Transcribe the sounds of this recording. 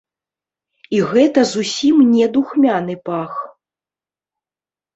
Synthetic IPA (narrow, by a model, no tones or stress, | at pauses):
iɣɛt̪ɐzusʲimnʲɛd̪uxmʲanɨpax